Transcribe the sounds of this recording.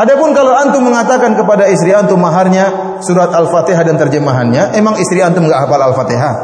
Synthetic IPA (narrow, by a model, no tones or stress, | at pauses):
ʔadapʊnkalawant̪uməŋat̪akankəpadais̬t̪ɾiant̪umaɦarɲa | suɾat̪alfat̪eɦadant̪ərd͡ʒəmaɦanɲaʔemaŋist̪ɾiant̪uŋɡaʔɦapalalfat̪eɦa